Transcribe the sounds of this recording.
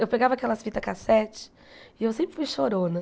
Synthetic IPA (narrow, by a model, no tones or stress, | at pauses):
ewpeɡavɐakɛlɐsfit̪ɐkasɛt͡ʃɪ̥ | iewsẽmpɾɪfujʃoɾonɐ